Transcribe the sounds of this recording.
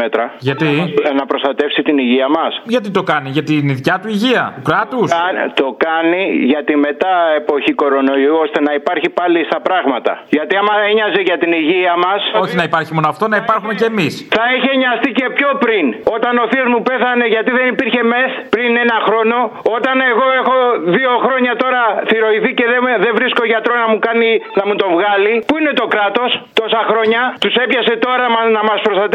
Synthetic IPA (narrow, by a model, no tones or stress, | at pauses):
et̪ɾɐʝɐt̪inɐpɾo̞st̪ɐt̪e̞fsit̪iniʝiɐmɐsʝɐt̪it̪o̞kɐniʝɐt̪iniðcɐt̪uiʝiɐ̰t̪ukɾɐt̪ust̪o̞kɐniʝɐt̪ime̞t̪ɐe̞po̞çiko̞ɾo̞no̞iuost̪e̞nɐipɐɾçipɐlist̪ɐpɾɐɣmɐt̪ɐ̰ʝɐt̪iɐmɐeɲɐzeʝɐt̪iniʝiɐmɐso̞çinɐipɐɾçimo̞noɐft̪o̞nɐipɐɾxume̞ce̞ːmisθɐiçeɲɐst̪ice̞pço̞pɾino̞t̪ɐno̞fiozmupe̞θɐne̞ʝɐt̪iðe̞nipiɾçe̞me̞θpɾine̞nɐxɾo̞no̞o̞t̪ɐne̞ɣo̞e̞xo̞ðio̞xɾo̞ɲɐt̪o̞ɾɐθiɾo̞iθice̞ðeðevɾiskoʝɐt̪ɾo̞znɐmukɐninɐmut̪o̞vɣɐlipuine̞t̪o̞kɾɐt̪o̞st̪o̞sɐxɾo̞ɲɐt̪use̞pçɐse̞t̪o̞ɾɐmɐnɐmɐspɾost̪ɐt̪e